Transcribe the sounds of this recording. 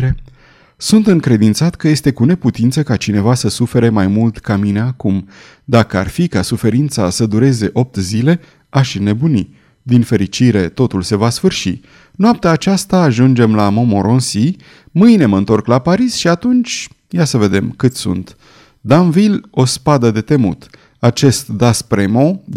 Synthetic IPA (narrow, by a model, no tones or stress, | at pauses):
ɾe | sunt̪ɨŋkɾe̞d̪int̪sat̪kəje̞st̪e̞kune̞put̪int̪səkat͡ʃine̞vasəsufe̞ɾe̞majmult̪kamine̞akum | d̪akəa̰rfikasufe̞ɾint̪sasəd̪uɾe̞ze̞ʔo̞p̚t̪zile̞ | aʃine̞bunḭ | d̪infe̞ɾit͡ʃiɾe̞t̪o̞t̪ulse̞vasfɨrʃḭ | nap̚t̪eaːt͡ʃast̪aːʒund͡ʒe̞mlamo̞mo̞ɾʔo̞nsi | mɨjne̞məɨnt̪o̞rklapaɾisʃiat̪unt͡ʃʲ | jasəve̞d̪e̞mkɨt̪sṵnt̪ | d̪amvilo̞spad̪əd̪e̞t̪e̞mṵt̪ | at͡ʃe̞st̪d̪aspɾe̞mo̞